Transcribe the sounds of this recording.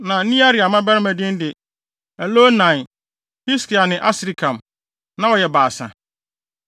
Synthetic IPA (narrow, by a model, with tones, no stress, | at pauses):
nã˨˦nĩ˦a˦ɾɪ˨a˨mã˦bæ˦ɾɪ˦mæ̃˨dɪ̃˦n˦dɪ˨ | æ˨loː˦nã˨ | hi˦skʰi˨a˨nɪ̃˨ʔa˦sɪ˨ɾi˦kʰã˨m | nã˦wɔ˨jɛ˨baː˨sã̰˨